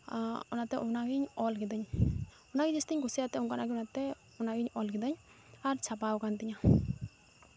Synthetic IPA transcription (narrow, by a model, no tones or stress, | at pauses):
ɔnat̪ɛʔunaɡiɲɔlkid̪aɲ | unaɡid͡ʒɛst̪iɲkusɛat̪ɛuŋkanaɡiunat̪ɛ | unaɡiɲɔlkid̪aɲ | aɾt͡ʃʰapawkant̪iɲa